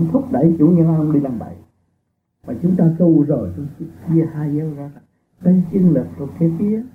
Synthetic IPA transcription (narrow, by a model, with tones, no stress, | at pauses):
ŋ͡mt̪ʰʊ˦˥k͡p̚ɗə˧˩jt͡ɕṵ˧˩˦ɲɨ˧ŋ͡mɗi˧laː˨˩mɓa̰˧˩j | vaː˨˩t͡ɕʊ˨˦ŋ͡mt̪aː˧k̪u˧wzəː˧˩jt͡ɕɔ˧wŋ͡msɨ˦k̚t͡ɕi˧əhaː˧jzəː˧zaː˧˩˨ | kaː˨˦t͡ɕi˧ənlɨ˨˩k̚t̪o˨˩t̚ka˨˦fi˨˦ə